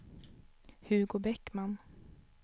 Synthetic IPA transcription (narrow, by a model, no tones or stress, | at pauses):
hɵɾɡoːbɛkːman